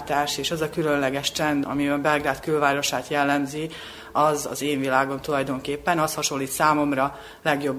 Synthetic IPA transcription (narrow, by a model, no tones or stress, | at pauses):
t̪aːʃeːʃɛzɒkylø̞nlɛɡɛʃt͡ʃɛnd̪ɒ̰miɒbɛlɡɾaːt̪kylvaːɾo̞ʃaːt̪jɛlːɛmzi | ɒzɒ̰zeːɱvilaːɡo̞nt̪ulɒjd̪o̞ŋkeːpːɛnɒshɒʃo̞lːiːt̪saːmo̞mrɒ | lɛɡjo̞bː